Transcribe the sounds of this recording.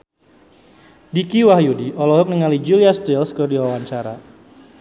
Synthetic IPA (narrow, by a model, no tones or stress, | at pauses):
dikiwahjudiʔɔlɔɦʊk̚niŋalid͡ʒuliast̪ɪlskərdiwawaɲt͡ʃaɾa̰